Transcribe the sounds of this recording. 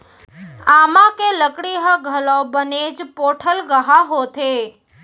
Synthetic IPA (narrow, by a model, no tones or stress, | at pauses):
amãkeləkɽiɦəɡʱəlõbəned͡ʒpoʈʰəlɡəɦaɦot̪ʰe